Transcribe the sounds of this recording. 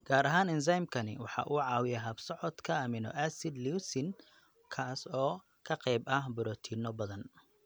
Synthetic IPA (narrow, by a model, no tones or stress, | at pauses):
ɡ̥aːɾɐɦaːnɪns̬ajmkʰɐnɪ̰wɑħɑ̰ːʔuːʕɑːwɪjɛɦɐbsɔʕɔd̪kʰɐamɪnɔ̰ʔasɪd̪liwsɪn | kʰaːsɔː | kʰɐqɛjbɐhbʊɾɔːt̪ʰinɔbɐðɐn